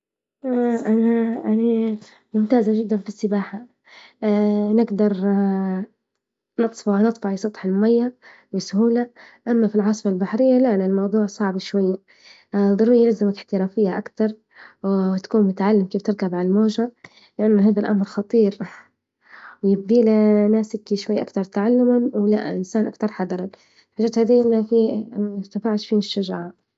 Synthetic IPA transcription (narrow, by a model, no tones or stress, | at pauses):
ʔaʔanaʔana | mʊmt̪aːzaʒɪd̪ːanfɪsːɪbaːħa | nɪɡd̪ɑɾˤ | nɨt̪ˤfɑʕnɨt̪ˤfɑʕɪsˤɑt̪ˤħɪlmajːa | wɪsʊhuːla | ʔamːafilʕɑsˤmalbaħɾɪjːalaʔnalmɑwd̪ˤuːʕsˤɑʕbʃwajːa | d̪ˤʊɾˤujlazɪmakɪħt̪ɪɾaːfɪjːaʔakt̪ɑɾˤ | wt̪ḁkuːnmʊt̪ʕalːɪmkeːft̪ɪɾkabʕalalmoːʒa | lɪʔanːʊɦaːðalʔamɾxɑt̪ˤiːɾ | wjɪb̚d̪iːlanaːsɪkiʃwajːʔa̰kt̪ɑɾˤt̪aʕalːamanwla̰ʔɪnsaːnʔa̰kt̪ɑɾˤħɑd̪ɑɾˤɑn | ħaʒaːt̪haːd̪iːaafit̪afaːʕʃfiːnɪʃːaʒaʕa